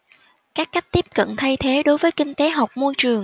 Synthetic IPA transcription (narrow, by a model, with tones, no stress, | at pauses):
kaː˦˥k̚ːa˦˥jk̟̚t̪i˦˥əp̚kə̰˧˨nt̪ʰa˧jt̪ʰe˨˦ɗo˨˦jvəː˨˦jkï˧ŋ̟t̪e˨˦ɦa˨˩wk͡p̚mo˧jt͡ɕɨ˨˩əŋ